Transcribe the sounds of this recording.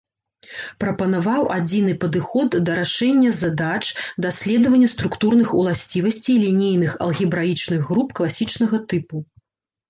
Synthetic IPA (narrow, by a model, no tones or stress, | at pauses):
pɾɐpɐnavawad͡zʲinɨpɐd̪ɨxɔd̪ːɐɾaʂɛnʲːɐzɐd̪at͡ʂd̪asʲlʲɛd̪ɐvɐnʲːɐst̪ɾukt̪urn̪ɨxulˠasʲt͡sʲivɐsʲt͡sʲijlʲinʲijnɨxɐ̰lˠɣʲibɾait͡ʂnɨɣːɾupklˠasʲit͡ʂnɐɣɐt̪ɨpu